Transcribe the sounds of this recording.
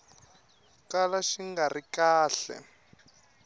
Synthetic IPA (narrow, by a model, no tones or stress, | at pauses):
kalaʃiŋɡarikaːɬɛ̰